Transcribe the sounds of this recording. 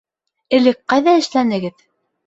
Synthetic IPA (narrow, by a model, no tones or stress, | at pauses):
ɘ̆lɘk̚qɑjðɑɘ̆ʃlænɘ̆ɡɘð